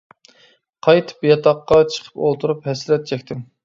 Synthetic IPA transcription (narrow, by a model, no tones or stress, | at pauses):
qʰɑjt̪ʰɨ̥pjɑt̪ʰɑqːɑt͡ʃʰə̥qʰə̥polˠt̪ʰuɾuphɛslɛt̪̚t͡ʃʰɛkʲt̪ʰɪm